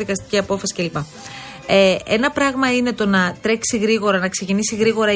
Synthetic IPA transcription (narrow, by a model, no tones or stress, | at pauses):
ikɐst̪i̥ciɐpo̞fɐsi̥ce̞lipɐ | ee̞nɐpɾɐɣmɐine̞t̪o̞nɐt̪ɾe̞ksiɣɾiɣo̞ɾɐnɐkse̞cinisiɣɾiɣo̞ɾɐ